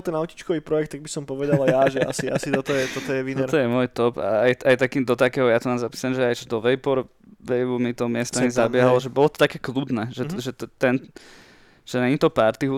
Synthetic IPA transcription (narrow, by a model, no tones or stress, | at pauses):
lt̪ɛnaʊci̥t͡ʃkɔʋiːpɾɔjɛkt̪ːaɡ̚bisɔmpɔʋɛd̪alajjaʒɛa̰siʔasit̪ɔt̪ɔjɛt̪ɔt̪ɔjɛʋinɛɾt̪ɔjɛmʊɔjt̪ɔpa̰ajajt̪akiːmd̪ɔt̪akɛːɦɔjat̪ɔnaːzapi̥ːsalɛmʒɛajt͡ʃɔd̪ɔʋɛjbɔɾ | ʋɛjbumit̪ɔmɪɛst̪ɔmizabɪɛɦalɔʒɛbɔlɔt̪ɔ̥t̪akɛːklud̪nɛːʒɛʒɛt̪ɛn | ʒ̥ɛnɛɲit̪ɔpaɾt̪iɦu